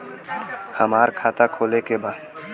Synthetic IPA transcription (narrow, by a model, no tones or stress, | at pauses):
həmaːɾkʰaːt̪akʰoːlekebaː